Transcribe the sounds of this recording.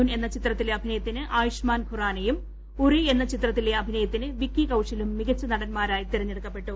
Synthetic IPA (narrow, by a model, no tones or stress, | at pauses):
uːne̞nːɐt͡ɕit̪rɐt̪ːileɐbʱinɐjɐt̪ːinɨʔaːjiʂmaːnkʰuraːnɐjum | urie̞nːɐt͡ɕit̪rɐt̪̬ːileɐbʱinɐjɐt̪ːinɨʋikjikɐwʂɐlumːiɡɐt͡ɕːɨnɐɽɐnmaːɾaːjit̪iɾɐɲːeɽukːɐpːe̞ʈːɨ